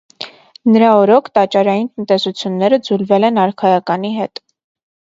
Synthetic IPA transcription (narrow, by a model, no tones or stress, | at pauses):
nəɾɑɔɾɔkʰt̪ɑt͡ʃɑɾɑjint̪ənt̪ɛsut͡sʰjunːɛɾəd͡zulvɛlɛnɑɾkʰɑjɑkɑniɦɛt̪